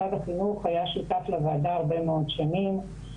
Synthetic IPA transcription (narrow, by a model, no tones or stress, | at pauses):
ad̪aχinuχajaʃut̪afleveːd̪aːʁbe̞meo̞d̪ʃanim